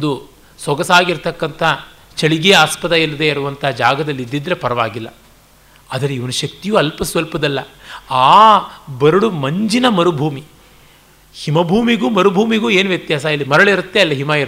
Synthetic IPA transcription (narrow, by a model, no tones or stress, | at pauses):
ond̪u | sʋɔɡɐsaːɡiɾt̪ɐkːɐnt̪ʰɐ | t͡ʃɐɭiɡeɐaːspɐd̪ɐilːɐd̪e̞ɐɾuʋɐnt̪ʰɐɦːd͡ʒaːɡɐd̪ɐlːid̪ːid̪ɾe̞pɐɾɐʋaːɡilːɐ̰ | ɐd̪ɐɾeiʋɐnuʃɐk̚t̪ijuːɐlpɐsʋɐlpɐd̪ɐlːɐaːbɐɾuɽumɐɲd͡ʒinɐmɐɾubʱuːmi | himɐbʱuːmiɡuːmɐɾubʱuːmiɡuːe̞ːnuʋjɐt̪jaːsaɐlːimɐɾɐɭiɾut̪ːe̞ɐlːɐɦimɐiɾ